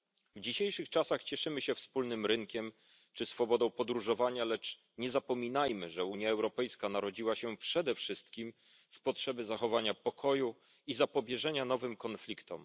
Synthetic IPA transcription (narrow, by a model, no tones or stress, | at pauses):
vd͡ʑiɕejʂɘxt͡ʂasaxt͡ɕɛʂɘmɘɕɛfspulnɘmɾɘŋkʲɛm | t͡ʂɘsfɔbɔd̪ɔ̃w̃pɔd̪ɾuʐɔvaɲalɛt͡ʂ | ɲɛzapɔmʲinajmɘ̰ʐɛuɲjaɛwɾɔpɛjskanaɾɔd͡ʑiwaɕɛpʂɛd̪ɛfʂɘst̪kʲim | spɔtʂɛbɘzaxɔvaɲapɔkʰɔju | izapɔbʲjɛʐɛɲanɔvɘmkɔnflʲikt̪ɔ̰m